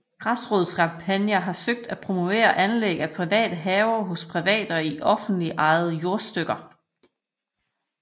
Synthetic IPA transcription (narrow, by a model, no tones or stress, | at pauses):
ɡ̥ʁɑsʁoːð̩ˠskʰɑ̈mpʰænjɐɦɑ̈søɡ̥̚d̥æpʰʁo̝mo̝ʋe̝̰ːɐʔænleɡ̥æpʰʁiʋɛ̰ːd̥əɦɛːʊɐɦɔ̽spʰʁiʋɛ̰ːd̥ɒiʔɒ̽fn̩d̥liʔɑ̈ɪð̩ˠəjo̝ɐsd̥øɡ̥ɐ